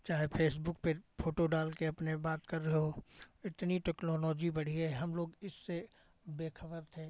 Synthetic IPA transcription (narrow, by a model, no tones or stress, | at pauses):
t͡ʃaːɦepʰeːs̬bʊk̚pepʰoːʈoɖaːlkeɐpnebaːt̪kɐɾːɐɦeɦoɪt̪niʈeːknɔːlɔːd͡ʒibɐɽ̤iɦɛɦɐmloːɡɪsːe | beːkʰəbəɾt̪ʰẽː